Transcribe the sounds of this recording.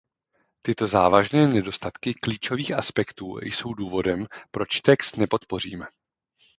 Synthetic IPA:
t̪ɪt̪o̞zaːvaʒnɛːnɛdo̞st̪at̪kɪkliːt͡ʃo̞viːxʔaspɛkt̪ṵːjso̞wduːvo̞dɛmpɾo̞t͡ʃt̪ɛkst̪nɛpo̞t̪po̞r̝ḭːmɛ

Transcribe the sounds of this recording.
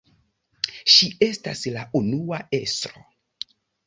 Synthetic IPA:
ʃiʔe̞staslaʔunuae̞stɾo

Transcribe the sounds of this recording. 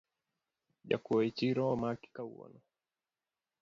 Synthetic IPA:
ʄa̰kuit͡ʃiɾɔmaki̥kauwɔ̰nɔ

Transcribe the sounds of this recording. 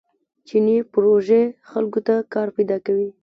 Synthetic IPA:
t͡ʃinipʊɾoʒexalkot̪akɑɾpajd̪ɑkawi

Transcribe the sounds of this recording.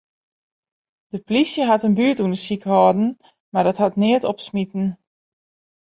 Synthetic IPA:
d̥əplisjəɦatənbyətundəsikhɔːdn̩ | madɔthatnɪətɔpsmitn̩

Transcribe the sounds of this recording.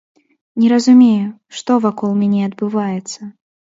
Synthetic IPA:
nʲɛɾɐzʊmʲeju | ʂt̪ɔvakɔlˠmʲanʲɛɐd̪bɨvajɛt̪sːɐ

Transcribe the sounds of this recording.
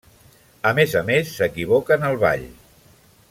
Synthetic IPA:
əmezəmesːəkiβ̞okənəlˠβa̰ʎ

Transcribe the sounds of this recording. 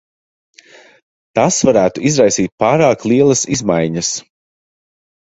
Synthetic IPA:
t̪asvaɾæːt̪uizɾajsiːt̪̚paːɾaːklˠiɛlˠɐsizmajɲɐs

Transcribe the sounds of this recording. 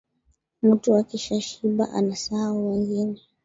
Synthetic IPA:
m̩tuakiʃaʃiɓa̰ʔa̰nasaauwɛŋɡinɛ

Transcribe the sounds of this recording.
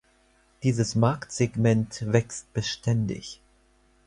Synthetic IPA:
d̥iːzəsmaɐktz̥eɡmɛntv̥ɛkst̚b̥əʃtʰɛndɪ̰ç

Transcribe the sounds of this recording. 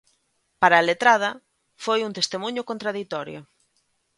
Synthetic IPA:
paɾaːlet̪ɾað̞ɐ | fojunt̪est̪emũɲʊkõnt̪ɾaðit̪ɔɾjo̰

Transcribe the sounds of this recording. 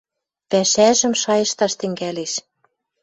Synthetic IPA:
pæʃæʒə̆mʃɑjɤ̆ʃt̪ɑʃt̪ɘ̆ŋɡæleʃ

